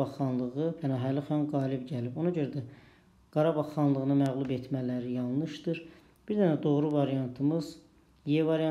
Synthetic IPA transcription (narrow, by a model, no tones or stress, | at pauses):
ɑʁːɑnlˠɯʁɯbænɑɦæliχɑnɡɑːlibɟælibo̞nɑɟø̞ɾæd̪æ | ɡ̥ɑɾɑbɑʁːɑnlˠɯɣɯnɯmæɣlˠubet̪ʰmælæɾijɑlˠnɯʃd̪ɯɾ | b̥iɾd̪ænæd̪o̞ʁɾuvɑɾijɑnt̪ʰɯmɯz | jevɑɾijɑ